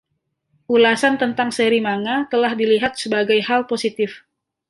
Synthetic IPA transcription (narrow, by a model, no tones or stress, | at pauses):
ʔulasant̪ənt̪aŋsəɾimaŋat̪əlahdiliɦat̪̚səbaɡajhalposit̪ɪf